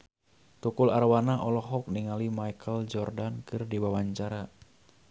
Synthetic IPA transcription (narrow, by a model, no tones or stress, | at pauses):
t̪ukularwanaʔɔlɔɦɔk̚niŋalimajkʰəld͡ʒɔrdankɨrdiwawaɲt͡ʃaɾa